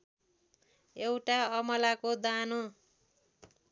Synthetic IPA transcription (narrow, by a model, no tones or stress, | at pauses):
ewʈaʌmʌlakod̪ano